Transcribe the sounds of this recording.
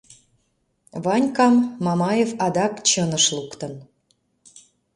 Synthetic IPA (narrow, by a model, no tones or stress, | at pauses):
βɑnʲkɑmːɑmɑjefɑd̪ɑkt͡ɕənəʃlukt̪ən